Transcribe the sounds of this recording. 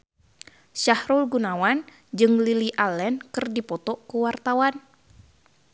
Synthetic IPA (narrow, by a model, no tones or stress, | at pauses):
ʃahɾulɡunawan | d͡ʒɨŋliliʔalɛnkɨrdipɔt̪ɔkuwart̪awan